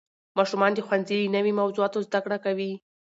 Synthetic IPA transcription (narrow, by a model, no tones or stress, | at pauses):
mɑʃumɑnd̪əxwanzilinəwimawzuɑt̪ozd̪akɽakawi